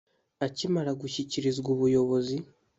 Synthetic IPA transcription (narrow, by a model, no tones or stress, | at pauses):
acimaɾaɡuçiciɾizɡuːβujo̞βo̞zi